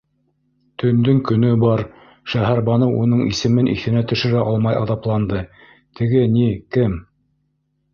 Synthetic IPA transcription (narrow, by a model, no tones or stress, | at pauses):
t̪ʰɵ̆nd̪ɵŋkɵ̆nɵbɑɾ | ʃæɦæɾbɑnowʔun̪ɤɴḭsɘ̆mɘnʔḭθɘ̆næt̪ɵ̆ʃɘ̆ɾæʔɑlˠmɑjɑ̰ðɑplˠɑnd̪ɤ | t̪ʰɘ̆ɡɘnikɘm